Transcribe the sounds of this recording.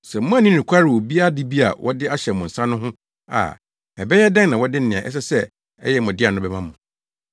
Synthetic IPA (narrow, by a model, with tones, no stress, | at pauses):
sɛ˨m̩˦mʊ̃˦˨nĩ˦nĩ˨kʷʰa˦ɾɪ˨wo˨bi˦a˦˨dɪ˦bi˦a̰˨wʔɔ˦dɪ˦a˦ɕɛ˨mʊ̃˨n̩˨sã˦nʊ̃˦ɦʊ̃˦ | a̰˨ | ɛ˨bɛ˦jɛ˦dã˦ŋnã˨wɔ˦dɪ˦n̩˦nɪ̃˨ã˨ʔɛ̰˦s̬ɛ˦sɛ˦˨ | ɛ̰˦jɛ˦˨mʊ̃˨dɪ˦a˨nʊ̃˦bɛ˦mã˦mʊ̃˨